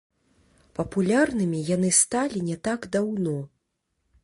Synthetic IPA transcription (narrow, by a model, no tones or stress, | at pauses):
pɐpulʲarnɨmʲijan̪ɨst̪alʲinʲɛt̪aɡd̪awnɔ